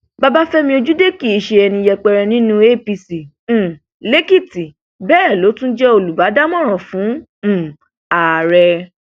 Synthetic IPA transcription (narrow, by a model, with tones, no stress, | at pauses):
ba˦ba˦fɛ˦mĩ˧o˧d͡ʒu˦de˦ki˦˨i˨ʃe˧ɛ˧nĩ˧jɛ˧k͡pɛ˧ɾɛ˧nĩ˨˦nũ˦e˦pi˧sĩ˨ | le˦ki˦˨ti˨ | bɛː˦˨lo˨˦tũ˦d͡ʒɛ˦o˧lu˨ba˨˦da˦mɔ̃˦˨ɾ̃ɔ̃˨fũ˨˦˨ | a˨ɾɛ˧